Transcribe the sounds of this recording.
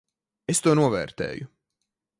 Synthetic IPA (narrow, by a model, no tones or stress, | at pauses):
est̪uɔnuɔvɛ̰ːɾt̪ɛ̰ːju